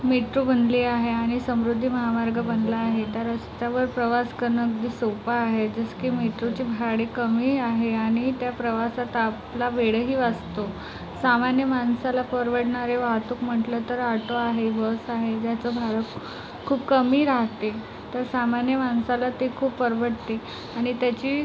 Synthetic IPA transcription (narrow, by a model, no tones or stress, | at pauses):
meʈɾubənd̪liːaɦeaɽ̃isəmɾud̪ʱːiːməɦamaɾɡəbənd̪laːɦet̪əɾəst͡ɕaʋəɾpɾəʋaskəɾɳəːk̚d̪iːsopaːɦed͡ʑəskiːmeʈɾut͡ɕiːbʱaɽekəmiːaɦeaɽ̃it̪japɾəʋasat̪aplaʋeɽɦiːʋast̪o | samanjəmansalafəɾʋəɽɳaɾeʋaɦt̪uːkm̤əʈlət̪əɾaʈoaɦeʋəsaɦed͡ʑjat͡səbʱaɭək | kʰːuːpkəmiːɾaɦt̪e | t̪əɾsamanjəmansalat̪ekʰuːpfəɾʋəɽt̪e | aɽ̃it̪jat͡ɕiː